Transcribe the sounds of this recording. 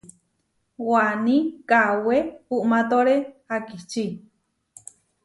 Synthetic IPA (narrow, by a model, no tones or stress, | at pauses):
wanĩkawepuʔmat̪oɾehakiht͡ʃi